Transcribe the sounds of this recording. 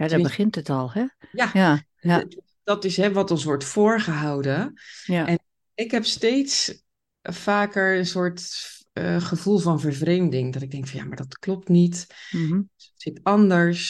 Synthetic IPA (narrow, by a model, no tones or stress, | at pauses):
jadɔbəχɪntətɔlˠhɛja | dɑtɪsɦɛʋɑtɔnsʋɔɹtfʊːɹχəɦawdənʔɛn | ɪkɦɛpstejts | faːkəɹənsʊːɹtː | χəvulˠvɑnvəɹvrejmdɪŋdɑtɪɡ̚dɛŋkfɔnja̰maːɹdɑtklɔp̚tnit | sətsɪtɑndəɹs